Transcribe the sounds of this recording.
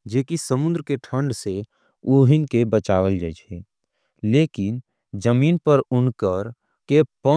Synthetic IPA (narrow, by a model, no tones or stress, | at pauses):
d͡ʒeːkisəmʊ̃nd̪ɾəkeʈʰə̃ɳɖse | oːɦɪnkebət͡ʃaːʋəld͡ʒad͡ʒe | leːkɪn | d͡ʒəmiːnpəɾʊɳkəɾ | kepə